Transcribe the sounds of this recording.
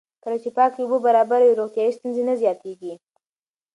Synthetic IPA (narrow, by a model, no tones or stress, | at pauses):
kəlat͡ʃepɑkeubəbaɾɑbaɾaweɾoχt̪jɑjist̪unzenazjɑt̪eɡi